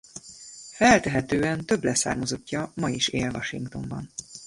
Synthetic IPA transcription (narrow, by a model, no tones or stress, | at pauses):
fɛlt̪ɛɦɛt̪øːɛnt̪ø̞blɛsa̰ːrmozo̞cːɒmɒjiʃeːlvɒʃiŋkt̪o̞̰mbɒ̰n